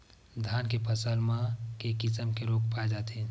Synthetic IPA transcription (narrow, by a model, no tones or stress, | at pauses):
d̪ʱaːnkepʰəsəlmãkekɪsəmkeɾoːk̚paːed͡ʒaːt̪eɦɛ̃